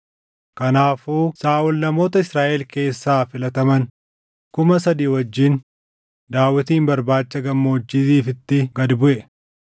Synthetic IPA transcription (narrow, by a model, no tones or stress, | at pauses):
kɐnaːfuːsaːʔʊlnɐmo̞ːt̪ɐɪsɾaːʔɛlke̞ːsːaːfɪlɐt̪ɐmɐn | kʊmɐsɐd̪iːwɔd͡ʒːɪn | d̪aːwːɪt̪iːmbɐɾbaːt͡ʃːɐɡɐmːɐʊd͡ʒːiːt̪iːfɪt̪ːɪɡɐd̪bʊʔɛ